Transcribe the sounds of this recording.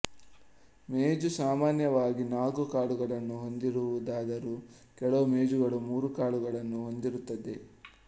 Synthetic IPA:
meːd͡ʒusaːmaːnjɐʋaːɡinaːɡukaːɭuɡɐɭɐnːuɦo̞nd̪iɾuʋud̪aːd̪ɐɾu | kɛɭɐmeːd͡ʒuɡɐɭumuːɾukaːɭuɡɐɭɐnːuɦo̞nd̪iɾut̪ːɐd̪e̞

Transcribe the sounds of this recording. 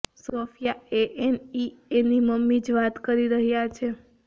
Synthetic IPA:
sofjaeʔenieniməmːid͡ʒʋat̪kəɾiɾəɦjat͡ʃʰe

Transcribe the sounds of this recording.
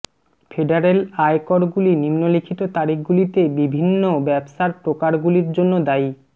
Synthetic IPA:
fʰeɖaɾelajkɔɾɡulinimnolikʰit̪ot̪aɾikɡulit̪ebibʱinːobɛbʃaɾpɾokaɾɡuliɾd͡ʑonːod̪aj

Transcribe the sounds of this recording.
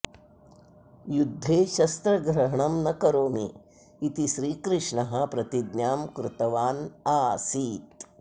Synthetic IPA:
jud̪ʱːeːʃɐst̪ɾɐɡɾɐɦɐɳɐmnɐkɐɾoːmiː | t̪iʃɾiːkɾɪʂɳɐɦɐ̆pɾɐt̪id̪njaːmkɾɪt̪ɐʋaːnaːsiːt̪̚

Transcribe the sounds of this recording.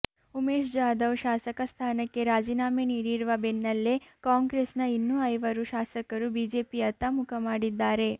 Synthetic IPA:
umeːʃd͡ʒaːd̪ɐʋʃaːsɐkɐst̪ʰaːnɐkːe̞ɾaːd͡ʒiːnaːmeniːɾiɾuʋɐbenːɐlːekaːŋɡɾesnɐinːuɐjʋɐɾuʃaːsɐkɐɾubiːd͡ʒeːpiɐt̪ːɐmukʰɐmaːɽid̪ːaːɾe̞

